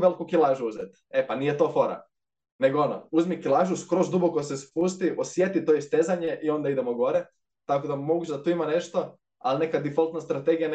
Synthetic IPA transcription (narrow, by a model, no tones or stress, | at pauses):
ʋe̞likukilˠaːʒuuzet̪ | epanijet̪ofo̞ɾa̰ | ne̞ɡoo̞no̰uzmikilˠaːʒuskɾozd̪ubokosespust̪iʔosje̞t̪it̪o̞ist̪e̞zaɲe̞ʔio̞nd̪aid̪emoɡo̞ɾe | t̪akod̪amo̞ɡut͡ʃed̪at̪uːimane̞ʃt̪o̞ | aline̞kad̪ifolˠt̪nast̪ɾat̪e̞ɡijan